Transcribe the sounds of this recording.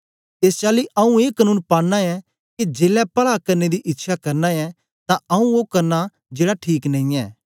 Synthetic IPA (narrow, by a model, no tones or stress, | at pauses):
eːst͡ʃaːliʔɐũeːkənũːnpaːɽnaɛ | kid͡ʒeːlɛpɐɭakɐɾned̪iʔɪtːʃʰakɐɾnaɛ | t̪ãɐũokɐɾna | d͡ʒeːɽaʈʰiːknɐ̃ĩɛː